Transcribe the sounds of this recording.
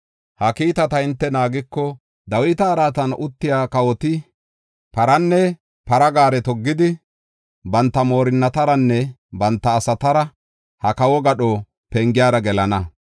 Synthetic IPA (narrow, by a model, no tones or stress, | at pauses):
hɐkiːt̪ɐt̪ɐhɪnt̪ːɛnaːɡɪkːɔ | d̪ɐwɪt̪ɐːɾaːt̪ɐnʊt̪ːɪjaːkɐwɔt̪ɪ | pɐɾɐnːɛ | pɐɾɐɡaːɾɛt̪ɔɡːɪd̪ɪ | bɐnt̪ːɐmo̞ːɾɪnːɐt̪ɐɾɐnːɛbɐnt̪ːɐːsɐt̪ɐɾɐ | hɐkɐwɔɡɐɗɔ | pɛŋɡɪjaːɾɐɡɛlɐnɐ